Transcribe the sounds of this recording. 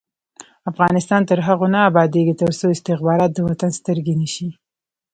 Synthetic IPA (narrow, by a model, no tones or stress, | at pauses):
afɣɑnɪst̪ɑnt̪əɾɦaɣonɑabɑd̪eɡit̪əɾsoɪst̪ɪxbɑɾɑt̪̚d̪əwat̪anst̪əɾɡenəʃi